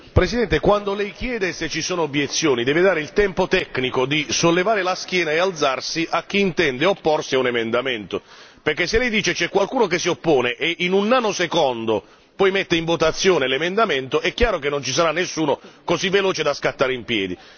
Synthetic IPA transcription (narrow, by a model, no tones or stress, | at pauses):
pɾesid̪ɛnt̪ekwand̪olɛjkjɛːd̪eset͡ʃːisoːnoobjet̪sːjoːnid̪ɛːved̪aːɾeilt̪ɛmpot̪ɛkːnikod̪isolːevaːɾɪlask̟jɛːnaeald̪zarsiʔak̟ːiːnt̪ɛnd̪eopːɔrsiaunemend̪amɛnt̪operk̟ːesːelɛjd̪iːt͡ʃet͡ʃɛkːwalkuːnok̬esːiopːoːneʔeʔinunanːosekɔnd̪o | pɔjmɛt̪ːeiɱvot̪at̪sːjoːnelemend̪ament̪oɛkːjaːɾokenːont͡ʃis̬aɾanːesːuːnokozivːelɔːt͡ʃed̪askat̪ːaːɾeimpjɛːd̪i